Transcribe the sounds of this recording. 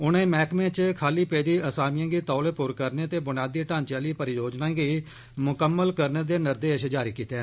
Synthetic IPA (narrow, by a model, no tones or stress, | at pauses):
ʊnẽːmɛːkmẽːt͡ʃkʰaːliːpeːd̪iːəsaːmɪjãːɡiːt̪ɔːleːpʊɾkəɾneːt̪eːbʊnjaːd̪iːʈãːnt͡ʃaːliːpəɾɪjoːd͡ʒnãːɡiː | mʊkəmːəlkəɾneːd̪eːnəɾd̪eːəʃed͡ʒaːɾiːkiːt̪eeː